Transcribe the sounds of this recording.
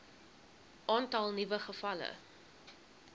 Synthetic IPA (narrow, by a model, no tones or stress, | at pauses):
ʔɑːntɐlˠnivəχəfɐlə̰